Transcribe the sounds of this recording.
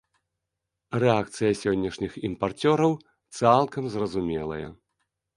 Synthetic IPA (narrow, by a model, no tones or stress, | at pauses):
rɛak̚t̪sɨjɐsʲɔnʲːɐʂnʲiximpart͡sʲɔɾɐw | t̪salˠkɐmzrɐzumʲɛlˠɐ̰jɐ̰